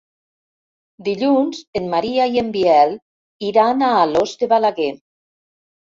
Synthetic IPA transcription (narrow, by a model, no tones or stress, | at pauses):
d̪iʎunzenmːaɾiaiembiɛl | iɾanaːlozd̪eβalaɣe